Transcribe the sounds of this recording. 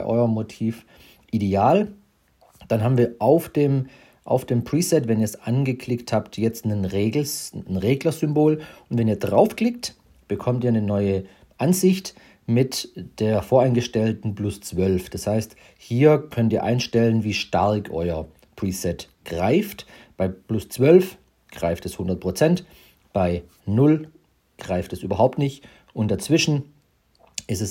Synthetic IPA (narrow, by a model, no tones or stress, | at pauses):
ʔɔ̰ʏɐmotʰiːf | ʔideaːl | d̥anɦaːbm̩viːɐaʊfd̥eːm | ʔa̰ʊfd̥eːmpʁ̥iːsɛtvɛniːɐɛsʔanɡəkʰl̥ɪkthaːptjɛt͡stnənʁeːɡl̩snʁeːɡlɐzʏmboːlʊntvɛniːɐdʁaʊfkl̥ɪk̚t | b̥əkʰɔmtiːɐnənɔʏə | ʔanzɪçt | mɪtd̥eːɐfoːɐaɪnɡəʃtɛltn̩plʊst͡sv̥œlfd̥ashaɪst | hiːɐkʰœntiːɐʔa̰ɪnʃtɛlənviːʃtaʁkʰʔɔ̰ʏɐ | pʁ̥iːsɛt | ɡ̥ʁaɪftb̥aɪplʊst͡sv̥œlf | ɡ̥ʁaɪftɛshʊndɐt̚pʁ̥ot͡sɛnt | b̥aɪ | nʊl | ɡ̥ʁaɪftɛsʔyːbɐɦaʊp̚tnɪçt | ʊntd̥at͡sv̥ɪʃn̩ | ɪstɛs